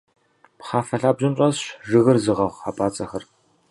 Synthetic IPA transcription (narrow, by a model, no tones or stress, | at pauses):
pχaːfɐɬaːbʑɨmɕʼɐzɕʒɨɣɨrzɨʁɐʁʷaːpʼaːt͡sʼɐxɐr